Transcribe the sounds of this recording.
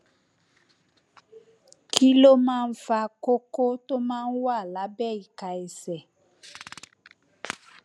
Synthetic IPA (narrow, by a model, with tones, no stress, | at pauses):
kʰi˦lo˦mãː˦˧n̩˦fa˧ko˦ko˦to˦mãː˦˧n̩˦wa˦˨la˨˦bɛ˦˨i˨ka˨ɛ˨sɛ˨